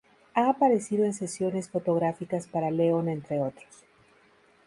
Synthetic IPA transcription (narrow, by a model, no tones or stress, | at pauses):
aːpaɾe̞siðo̞e̞nse̞sjo̞ne̞sfo̞t̪o̞ɣ̞ɾafikaspaɾale̞o̞nent̪ɾe̞o̞t̪ɾos